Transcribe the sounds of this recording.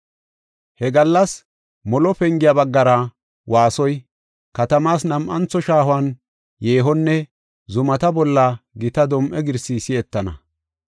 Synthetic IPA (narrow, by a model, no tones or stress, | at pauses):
hɛɡɐlːɐs | mɔlɔpɛŋɡɪjabɐɡːɐɾɐ | waːsɔj | kɐt̪ɐmaːsnɐmʔɐnt͡sːɔʃaːɦwaːn | jeːɦɔnːɛ | zʊmɐt̪ɐbɔlːɐɡɪt̪ɐd̪ɔmʔɛɡɪɾsisɪɛt̪ːɐnɐ̰